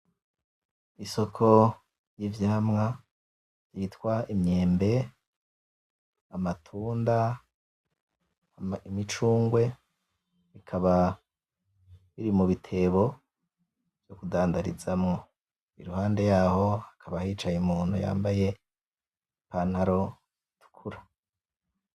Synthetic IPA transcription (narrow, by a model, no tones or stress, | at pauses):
iso̞kʰo̞ | jivjaːmŋa | jitwaimɲe̞ːmbe̞ | amatʰuːnda | imit͡ʃuːŋɡwe̞ | ikʰaβa | βiɾimuβitʰe̞βo̞ | v̥jo̞kudaːndaɾḭzamŋo | ḭɾuhaːnde̞jaːho̞akʰaβahiːt͡ʃajemuːn̥huja̰ːmbaje̞ | panhaɾo̞ | tu̥kʰuɾa